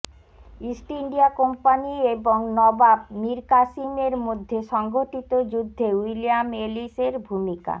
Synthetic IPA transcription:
isʈiɳɖiakompanieboŋnɔbab̚miɾkasimeɾmod̪ʱːeʃɔŋɡoʈit̪od͡ʑud̪ʱːewilijameliseɾbʱumika̰

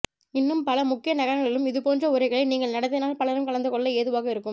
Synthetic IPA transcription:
ɪnːɯmpɐlɐmʊkːɪjɐnɐɣɐɾɐɭɪlɯmɪðɯpoːndrɐʊɾɐɪɣɐɭɐɪniːŋɡɐɭnɐɽɐt̪ːɪnaːlpɐɭɐɾɯmkɐlɐnd̪ɯkɔɭːɐeːðɯʋaːɣɐɪɾɯkːɯm

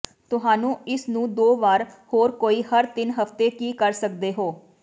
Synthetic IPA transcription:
t̪ʊɦaːnũːɪsnũːd̪oːʋaːɾhoːɾkoːiːhəɾt̪ɪnɦəft̪eːkiːkəɾsək̚d̪eːɦoː

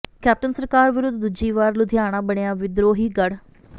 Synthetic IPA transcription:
kɛːp̚ʈənsəɾkaːɾʋɪɾʊd̪d̪ʊd͡ʒiːʋaːɾlʊd̪ʱjaːɽ̃ãːbəɳejaːʋɪd̪ɾoːɦiːɡəɽ

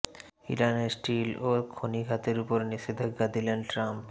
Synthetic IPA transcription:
ḭɾanesʈilokʰoniɡʱat̪eɾupoɾniʃid̪ʱaɡad̪ilenʈɾamp

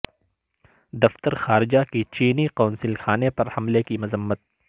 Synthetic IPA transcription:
d̪ɐft̪əɾxaːɾɪd͡ʒakit͡ʃiːniqoːnsɪlxaːnepɐɾhɐmlekimʊzəmːət̪̚

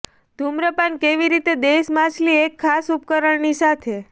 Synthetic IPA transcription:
d̪ʱumɾəpankeʋiɾit̪ed̪eʃmãt͡ʃʰliekʰːasup̚kəɾəɳnisat̪ʰe

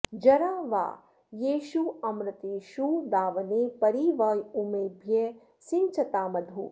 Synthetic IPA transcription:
d͡ʒɐɾaːʋa̰ː | jeːʃuɐmɾɐt̪eːʃud̪aːʋɐneːpɐɾiʋɐːjumeːbʱje | sɪŋt͡ʃʰɐt̪aːmɐd̪ʱṵː

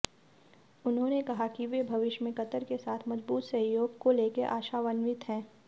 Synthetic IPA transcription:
ʊnɦõnekɐɦakiʋebʱɐʋɪʃmẽkɐt̪əɾkesaːt̪ʰmɐzbuːt̪sɐɦjoːɡkoleːkeʔaːʃaʋɐnʋɪt̪ɦɛ̃ː

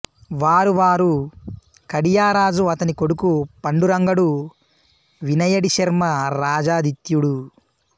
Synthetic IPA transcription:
ʋaːɾuʋaːɾu | kɐɽijaːɾaːd͡ʒuɐt̪ɐniko̞ɽukupɐɳɖuɾɐŋɡɐɽu | ʋinɐjɐɽiʃɐɾmɐɾaːd͡ʒaːd̪it̪juɽu

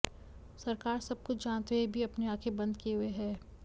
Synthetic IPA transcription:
sɐɾkaːɾsɐb̚kʊt͡ʃʰd͡ʒãːnt̪ʋebʱiɐpneaːkʰebɐ̃nd̪̚kiɦʊeɦɛː

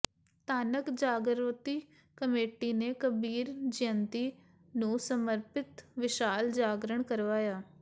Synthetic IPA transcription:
t̪aːnəkd͡ʒaːɡəɾʋət̪iː | kəmeːʈiːneːkəbiːɾd͡ʒɪnt̪iː | nũːsəməɾpɪt̪ʋɪʃaːld͡ʒaːɡɾəɳ̃kəɾʋaːjaː

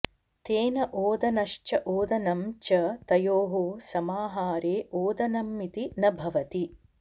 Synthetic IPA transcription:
t̪eːnɐʔoːd̪ɐnɐʃt͡ʃɐʔoːd̪ɐnɐmt͡ʃɐt̪ɐjoːɦoːsɐmaːɦaːɾeːʔoːd̪ɐnɐmːit̪inɐbʱɐʋɐt̪i

